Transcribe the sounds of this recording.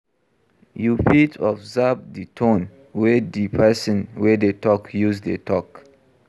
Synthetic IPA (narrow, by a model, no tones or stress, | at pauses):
jupʰitʰɔfzab̚ditʰõn | wɛdipʰɛsɔ̃nwɛdetɔkjuzdetʰɔk